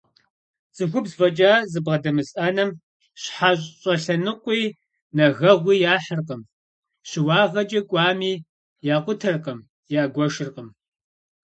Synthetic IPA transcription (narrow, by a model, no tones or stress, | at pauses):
t͡sʼɨxʷʊbzvɐt͡ʃʼaːzɨbʁɐdɐmɨsʔɐnɐm | ɕħaɕʼɕʼɐɬɐnɨqʷʼiː | nɐɣɐʁʷiːjaːħərqəm | ɕɪwɑːʁɐd͡ʒʼɐkʷʼɑːmiː | jaːqʷʊtʰɐrqɐm | jaːɡʷɔʃɪrqəm